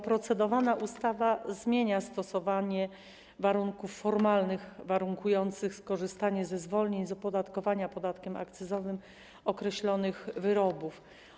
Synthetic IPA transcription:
pɾɔt̪sɛd̪ɔvanaʔust̪avazmʲjeɲast̪ɔsɔvaɲɛ | vaɾuŋkufːɔɾmalnɘɣvaɾuŋkujɔnt̪sɘxskɔʐɘst̪aɲɛzɛzvɔlɲeɲzɔpɔd̪at̪kɔvaɲapɔd̪at̪kʲɛmʔa̰kt̪sɛzɔvɘm | ɔkɾɛɕlɔnɘɣvɘɾɔbuf

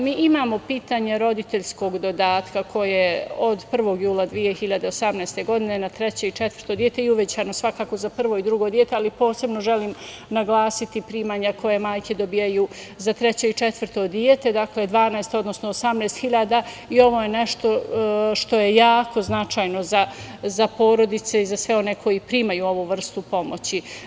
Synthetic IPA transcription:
miːʔimaːmo̞piːt̪aɲeɾo̞d̪it̪e̞ʎʲsko̞ɡd̪o̞d̪aːt̪kakʰo̞jeod̪pr̩ʋo̞ːɡjuːlˠad̪ʋijehiʎad̪eosamnɛest̪e̞ɡo̞d̪ine̞nat̪ɾet͡ɕe̞it͡ʃet̪v̥ər̥̩ɾt̪o̞d̪je̞t̪e̞iuʋet͡ɕaːnosʋakaːko̞zapr̩ʋo̞id̪ɾuɡo̞d̪je̞t̪ealipo̞ːse̞bno̞ʒeliːm | naɡlˠaːsit̪ipɾiːmaɲakʰo̞jemaːjkʰed̪o̞bijajuː | zat̪ɾet͡ɕe̞it͡ʃet̪ʋr̩t̪o̞d̪iet̪e̞d̪akled̪ʋaːnaest̪o̞d̪no̞snoːsamneːst̪xiʎaːd̪a | io̞ʋo̞je̞neʃt̪o̞ʃt̪o̞je̞jaːko̞znat͡ʃajno̞zazapo̞ːɾo̞d̪it̪se̞izasʋe̞o̞ne̞kʰo̞jipɾiːmajuːo̞ʋuʋr̩st̪upo̞mo̞t͡ɕi

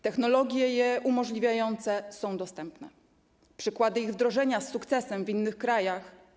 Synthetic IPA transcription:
t̪ɛxnɔlɔɡʲjɛjɛʔumɔʐlʲivʲjajɔnt̪sɛsɔ̃w̃d̪ɔst̪ɛmpnɛ̰ | pʂɘkwad̪ɘiɣvd̪ɾɔʐɛɲasːukt̪sɛsɛmvinːɘxkɾajax

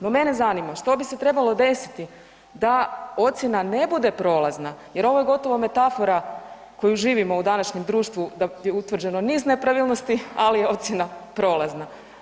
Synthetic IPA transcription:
no̞me̞ne̞zanimaʃt̪o̞bise̞t̪ɾe̞balˠo̞d̪e̞si̥t̪i | d̪ao̞t̪sʲje̞nane̞bud̪e̞pɾo̞ːlˠaznaje̞ɾo̞ʋo̞jeɡo̞t̪o̞ʋome̞t̪afo̞ɾa | ko̞juʒiːʋimo̞ud̪anaʃɲe̞md̪ɾuːʃt̪ʋud̪ajeut̪ʋr̩d͡ʑe̞no̞niːzne̞pɾaʋilˠno̞st̪ialijeo̞t̪sʲjenapɾo̞ːlˠazna

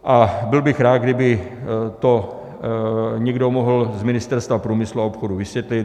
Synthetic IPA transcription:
ʔabɪlbɪxɾaːd̪̚ɡdɪbɪ | t̪o | ɲɛɡdomoɦl̩zmɪnɪst̪ɛɾst̪vapɾuːmɪsluaopxoduvɪsvjɛt̪lɪt̪

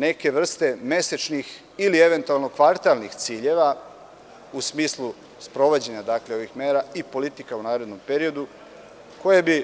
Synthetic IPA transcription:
ne̞ke̞ʋr̩st̪e̞me̞set͡ʃnix | ilie̞ʋe̞nt̪ualˠno̞kʋaɾt̪alnixt̪siːʎe̞ʋa | usmiːslˠu | spɾo̞ʋod͡ʑe̞ɲad̪akleo̞ʋixme̞ːɾaipo̞lit̪ikaunaːɾe̞d̪no̞mpe̞ɾio̞d̪u | ko̞je̞bi

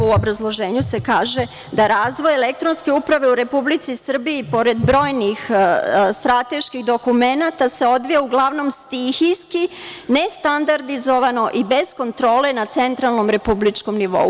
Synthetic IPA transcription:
uo̞bɾazlˠo̞ʒeːɲuse̞kaːʒe̞ | d̪aɾaːzʋo̞jele̞k̚t̪ɾonske̞upɾaʋe̞uɾe̞publit̪sisr̩biːpo̞ɾe̞d̪bɾo̞ːjnixst̪ɾat̪e̞ʃkixd̪o̞kume̞nat̪ase̞o̞d̪ʋijauɡlˠaʋno̞mst̪içijskine̞st̪and̪aɾd̪izo̞ʋano̞ʔibe̞zko̞nt̪ɾo̞ːle̞nat̪se̞nt̪ɾalˠno̞mɾe̞publit͡ʃko̞mniʋo̰u

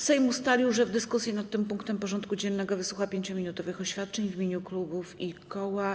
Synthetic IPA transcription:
sɛjmust̪alʲiwʐɛvd̪ɘskusʲjinat̪ːɘmpuŋkt̪ɛmpɔʐɔnt̪kud͡ʑɛnːɛɡɔvɘswuxapʲjeɲt͡ɕɔmʲinut̪ɔvɘxɔɕfʲjat̪̚t͡ʂɛɲvimʲeɲuklubufikɔwa

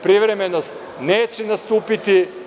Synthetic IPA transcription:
pɾiʋɾemenost̪ | neːt͡ɕenast̪uːpit̪i

